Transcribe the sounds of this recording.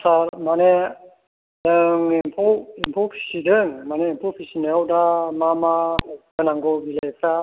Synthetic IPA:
saɾmane | lɯŋimpʰuimpʰupʰi̥sidɯŋmaneimpʰupʰisinewdamamaɡɯnaŋɡɔɡilajpʰɾa

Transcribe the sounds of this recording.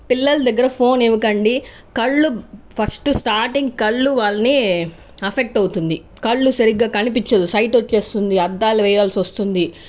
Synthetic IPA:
pilːɐlɐd̪ɐɡːɐɾɐpʰo̞ːneʋɐkɐɳɖi | kɐɭːupʰɐsʈsʈaːɾʈiŋɡkɐɭːuʋaːlːɐni | ɐpʰek̚ʈɐwt̪und̪i | kɐɭːusɐɾiɡaːkɐnipit͡ʃːɐd̪usɐjʈot͡ʃːe̞ːst̪und̪iɐd̪ːaːlɐʋɛːjɐʋaːlsiʋɐst̪und̪i

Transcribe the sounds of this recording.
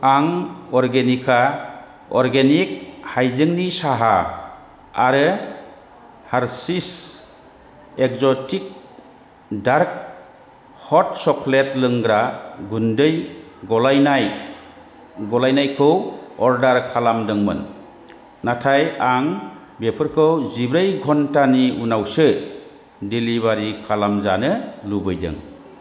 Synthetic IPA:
aŋɔɾɡenikʰa | ɔɾɡenik̚hajzɯŋnisaɦa | a̰ɾɯ | haɾsis | ek̚zɔtik̚ | daɾk̚ | hɔt̚sɔkʰletlɯŋɡɾaɡundɯjɡɔlajnaj | ɡɔlajnajkʰɯwɔɾdaɾkʰalamdɯŋmɯ̰nː | atʰajaŋ | bepʰɯɾkʰɯwzibɾajɡʱɔntaniunawsɯ | diliβaɾikʰalamzanɯlubɯjdɯ̰ŋ

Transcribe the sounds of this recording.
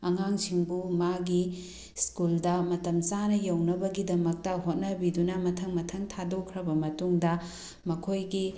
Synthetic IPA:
ɐŋaŋsiŋbumaɡi | skuldɐmɐtɐmt͡ʃanɐjɐwnɐbɐɡidɐmɐk̚tɐɦot̚nɐbidunɐmɐtʰɐŋmɐtʰɐŋtʰadokʰɾɐbɐmɐtuŋdɐ | mɐkʰojɡi

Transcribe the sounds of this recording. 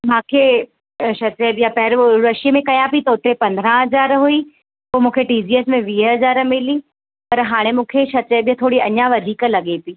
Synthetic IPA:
mãːkʰe | ʃɐt͡ɕeːbjapɐɦɪɾɾɐʃijəmẽkɐjãpit̪ɐʊt̪ɾepɐ̃nd̪ʱɾãɦɐzaːɾɦui | poːmũːkʰeʈiːd͡ʑiːeːsmẽʋiːɦɐzaːɾmɪli | pɐɾɦaːɽ̃emũːkʰeʃɐt͡ɕəːbjãt̪ʰoːɽiɐɲãʋɐd̪ʱiːklɐɠepiː

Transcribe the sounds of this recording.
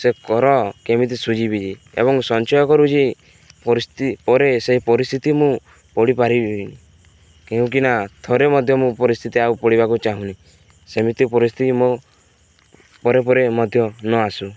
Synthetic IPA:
sekɔɾɔkemit̪̬isud͡ʒibid͡ʒi | ḛβɔŋsɔnt͡ʃɔjɔkɔɾut͡ʃʰi | pɔɾist̪ipɔɾeseɦipɔɾist̪ʰit̪imũ | pɔɽipaɾibini | keũk̬inat̪ʰoɾemɔd̪ʱjɔmũpɔɾist̪ʰit̪iaupɔɽibakut͡ʃaɦũni | semit̪ipɔɾist̪ʰit̪imo | pɔɾepɔɾemɔd̪ʱjɔnɔasu

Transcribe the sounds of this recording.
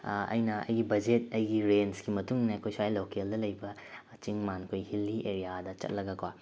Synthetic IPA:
ɐ̰jnɐɐ̰jɡibɐd͡ʒet̚ɐjɡiɾensɡimɐtuŋnɐkʰojsajlokeldɐlɐjbɐ | t͡ʃiŋmankʰojhilːiʔeɾijadɐt͡ʃɐ̰t̚lɐɡɐkwa

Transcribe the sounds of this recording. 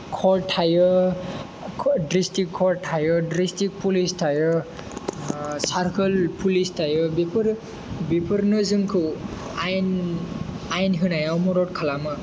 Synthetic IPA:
kʰɔtʰajɔ | dɾistikʰːɔɾtʰajɔdɾistik̚pulistʰajɯ | saɾkʰɯlpʰulistʰajɯbipʰɯɾ | bipʰɯɾnɯzɯŋkʰɯajn | ajnɦɯnajawmɔɾɔt̚kʰalamɯ

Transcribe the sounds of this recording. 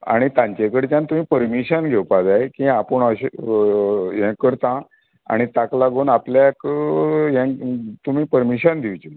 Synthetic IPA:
a̰ɽ̃it̪ãɲt͡ɕekəɽet͡ɕjãnt̪um̤iːpəɾmiɕənɡʱewpad͡zaekĩapəɳəɕ | ɦɛ̃kəɾt̪ã | a̰ɽ̃it̪aklaɡonapljakjɛ̃t̪um̤iːpəɾmiɕənd̪ʱiʋt͡ɕin

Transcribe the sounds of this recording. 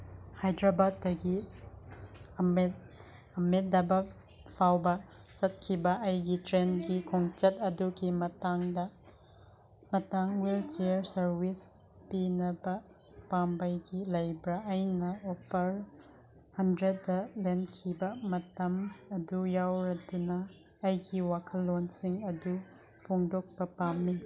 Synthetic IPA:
hajdɾabad̚ːɐɡi | me | ɐmet̚dɐbɐ | pʰawbɐt͡ʃɐt̚kʰibɐʔɐjɡitɾenɡikʰoŋt͡ʃɐtɐduɡimɐtaŋdɐ | mɐtaŋwelt͡ʃeɾsɐɾwis | pinɐbɐ | pambɐjɡilɐjbɾaʔɐjnɐɔpʰɐɾ | hɐndɾedːɐlenkʰibɐmɐtɐmɐdujawɾɐdunɐː | jɡiwakʰɐlːonsiŋɐdu | pʰɔŋdɔk̚b̥ɐpamːi

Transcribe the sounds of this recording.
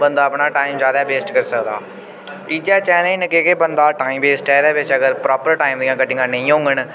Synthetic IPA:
bənd̪aːəpɳaːʈaːimd͡ʒjaːd̪aːbeːsʈkəɾsəkd̪a̰ː | id͡ʒaːt͡ʃɛ̃ːnĩːnəkeːkebənd̪aːʈaːĩːmbeːsʈɛːd̪eːbɪt͡ʃəɡəɾpɾɔːpəɾʈaːimd̪ĩãːkəʈɪŋɡãːnəĩːɦõːŋɡəɳ

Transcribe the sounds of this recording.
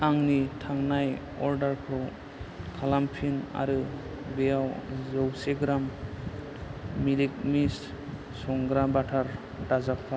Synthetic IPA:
aŋnitʰaŋnaj | ɔɾdaɾkʰɯw | kʰalampʰina̰ɾɯ | bejawzɔwseɡɾam | ilik̚mis | sɔŋɡɾabatʰaɾ | dazap̚ʰa

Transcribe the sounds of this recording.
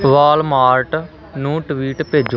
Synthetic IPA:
ʋaːlmaːɾʈ | nũːʈʋiːʈpeːd͡ʒo

